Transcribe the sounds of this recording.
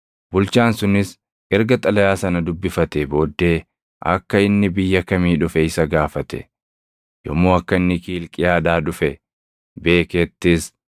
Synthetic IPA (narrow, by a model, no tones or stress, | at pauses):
bʊlt͡ʃaːnsʊnɪs | ɛɾɡɐt̪ʼɐlɐjaːsɐnɐd̪ʊbːɪfɐt̪ɛbo̞ːd̪ːe̞ː | ʔɐ̰kːɐɪnːɪbɪjːɐkɐmiːᶑʊfɛɪsɐɡaːfɐt̪ɛ̥̰ | jɔ̰mːoːɐkːɐɪnːɪkiːlkʼɪjaːd̪aːᶑʊfɛ | be̞ːkeːt̪ːɪs